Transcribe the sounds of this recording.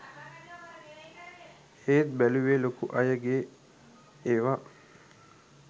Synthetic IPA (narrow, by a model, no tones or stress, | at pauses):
eːt̪̚bæluʋeːlokuʔɐjəɡeː | ʋa